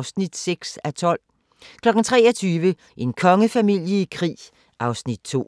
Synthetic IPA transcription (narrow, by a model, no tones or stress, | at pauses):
snid̥seɡ̥sæt͡sʰɒ̽l̰ | kʰlɒ̽ɡ̥n̩t͡sʰʁɛːɒt͡sʰyːʋə | ʔe̝nkʰɒ̽ŋəfæmil̰jəikʰʁḭː | ʔɑ̈ʊsnid̥̚t͡sʰo̝̰ː